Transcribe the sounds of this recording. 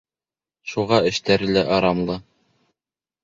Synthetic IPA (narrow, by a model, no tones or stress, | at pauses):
ʃuʁɑɘ̆ʃt̪æɾɘ̆læʔɑɾɑmlˠɤ